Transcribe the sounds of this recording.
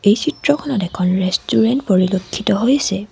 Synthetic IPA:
ejsitɹɔkʰɔnɔtɛkʰɔnɹestʰuɹɛntpoɹilokʰːitɔɦojasɛ

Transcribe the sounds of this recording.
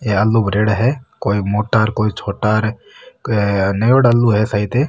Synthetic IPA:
eɐlːubɾeːɽɦɛkoːimoːʈaɾkoːit͡ʃʰoːʈaɾ | nəjoːɽəlːuɦɛsəɦit̪e

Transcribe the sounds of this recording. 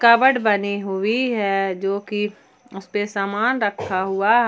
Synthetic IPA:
kɐbəɽbɐniɦʊiɦɛd͡ʒoːki | ʊspesaːmaːnɾɐkʰːaɦʊaɦ

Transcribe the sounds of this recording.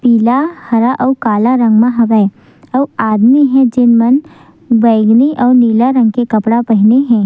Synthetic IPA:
piːlahɐɾaʔɔːkaːlaɾɐ̃ŋɡmãɦɐʋae | ɔːaːd̪miɦɛ̃d͡ʒɪnmɐn | ʋɐɪɡniʔɔːɾniːlaɾɐ̃ŋɡkekɐpɽapɐɦneɦɛ̃ː

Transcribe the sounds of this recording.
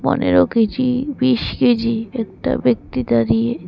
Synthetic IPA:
pɔ̰nḛɾoɡed͡ʑibiʃɡed͡ʑiɛk̚ʈa̰bek̚t̪it̪aɾie

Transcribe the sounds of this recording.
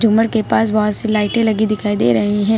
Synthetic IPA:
d͡ʒʱʊməɽkepaːsbɔɦʊt̪silaːɪʈẽlɐɡid̪ɪkʰaːid̪ḛɾɐɦeɦɛ̃ː

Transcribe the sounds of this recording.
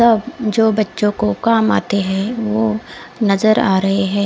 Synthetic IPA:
sɐbd͡ʒoːbɐtːʃõkokaːma̰ːt̪eɦɛ̃ʋoːnɐzəɾaːɾɐɦeɦɛ̃ː

